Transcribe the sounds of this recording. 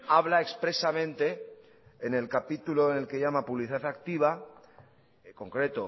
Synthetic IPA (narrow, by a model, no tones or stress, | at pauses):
aβlaekspɾe̞samẽ̞nt̪e̞ː | ne̞lkapit̪uloene̞lke̞ʝamapuβliθiðaθakt̪iβ̞a | ko̞ŋkɾe̞t̪o